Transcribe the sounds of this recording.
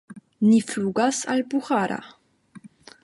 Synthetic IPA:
nifluɡasa̰lbuʁaɾa̰

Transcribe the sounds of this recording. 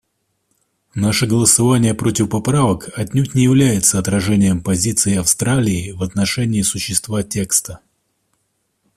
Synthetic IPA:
naʂəɡəlˠəsɐvanʲɪjəpɾo̞tʲɪfpɐpɾavəkɐtʲnʲutʲnʲɪjɪvlʲæjɪt̪səɐt̪ɾɐʐɛnʲɪjəmpɐzʲit̪sɨɪɐfst̪ɾalʲɪːvɐt̪nɐʂɛnʲɪːsʊɕːɪst̪vatʲe̞kst̪ə

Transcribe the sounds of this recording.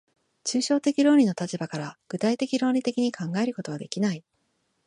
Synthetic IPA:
t͡ɕɨːɕo̞ːt̪e̞kʲiɾo̞ːɾʲino̞t̪at͡ɕibakaɾaɡ̥ɯ̟t̪ait̪e̞kʲiɾo̞ːɾʲit̪e̞kʲiɲ̟ikʰãŋɡae̞ɾɯ̟ko̞t̪o̞βad̪e̞kʲinai

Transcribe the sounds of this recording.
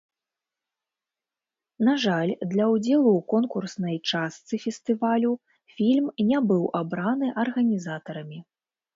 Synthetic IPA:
naʐalʲd̪lʲɐwd͡zʲɛlˠuːkɔnkursnɐjt͡ʂast̪sɨfʲɛst̪ɨvalʲu | fʲilʲmnʲabɨwʔabɾanɨʔɐrɣɐnʲizat̪ɐɾɐmʲi

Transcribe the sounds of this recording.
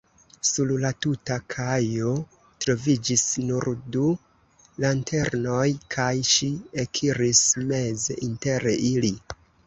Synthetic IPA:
sullatutakʰajo̞ | tɾo̞vid͡ʒisnuɾdu | lantʰe̞ɾno̞jkʰajʃiekʰiɾisme̞zḛʔinte̞ɾeili

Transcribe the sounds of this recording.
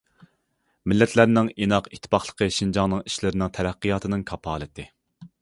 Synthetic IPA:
mɪlːɛt̪ʰlæɾnɪŋinɑqit̪ʰːɪ̥pɑχlˠə̥qʰəʃind͡ʒɑŋnɨŋi̥ʃlɪɾɪnɪŋt̪ʰɛɾæqːɨjɑːt̪ʰɨnɨŋkʰɑpʰɑ̰ːlˠɨt̪ʰɪ

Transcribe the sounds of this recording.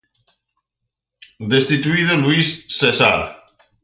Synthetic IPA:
d̪est̪it̪uiðolwisːesa̰ɾ

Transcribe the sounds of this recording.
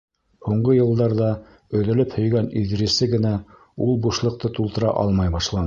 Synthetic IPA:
huɴɢɤjɤ̆lˠd̪ɑɾðɑ | ɵ̆ðɘ̆lɘphɵ̆jɡæniðɾɘ̆sɘɡɘ̆næ | ulˠbuʃlˠɤ̆q̚t̪ɤt̪ulˠt̪ɤ̆ɾɑ̰ʔɑ̰lˠmɑjbɑʃlˠɑn

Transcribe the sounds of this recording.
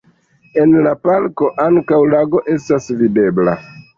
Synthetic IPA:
e̞nlapalko̞ʔaŋkawlaɡo̞ʔe̞stasvide̞bla̰

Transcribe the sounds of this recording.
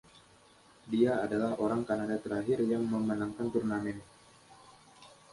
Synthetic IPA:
diaːdalahʔoɾaŋkanadat̪əɾaɦɪrjaŋməmənaŋkant̪urnamɛn

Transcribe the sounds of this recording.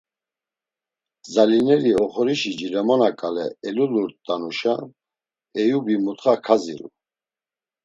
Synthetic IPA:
zalinɛɾiɔχɔɾiʃid͡ʒilɛmɔnakʼalɛːluluɾt̪d̪ʼanuʃa | ɛjubimut̪χakʰaziɾṵ

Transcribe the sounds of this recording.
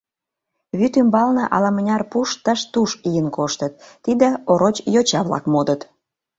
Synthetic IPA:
βyt̪ymbɑlnɤʔɑlɑmə̆nʲɑrpuʃt̪əʃt̪uʃijənkoʃt̪ət̪ːid̪ĕoɾot͡ɕjot͡ɕɑβlɑ̰kmod̪ət̪

